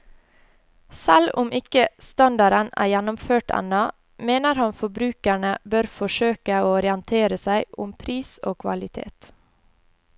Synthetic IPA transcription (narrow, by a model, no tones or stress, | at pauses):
sælʊmʔɪkəst̪ɑnd̪ɑɾənæ̰ːjænʊmføːʈɛ̰nɑ | meːnəɾhɑnfɔbɾʉːkæɳəbøɾfɔʃøːkəoːɔɾɪənt̪ʰeːɾəsæɪʔʊmpʰɾiːso̰ːkʰʋɑ̰lɪt̪ʰḛːt̪